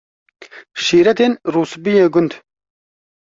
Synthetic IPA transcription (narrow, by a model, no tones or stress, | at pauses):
ʃiːɾɐt̪enɾuːsbijeːɡʊnd̪